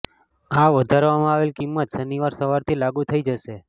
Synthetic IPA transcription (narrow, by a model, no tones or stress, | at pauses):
aʋəd̪ʱaɾʋamãaʋelkimːət̪səniʋaɾsəʋaɾt̪ʰilaɡut̪ʰəid͡ʒəʃe